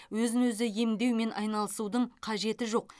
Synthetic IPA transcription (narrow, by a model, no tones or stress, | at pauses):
wɵzɪnwɵzɪje̞md̪e̞wme̞nʔɑ̰jnɑlˠəsud̪əɴqʰɑʒe̞t̪ɪʒo̞q̚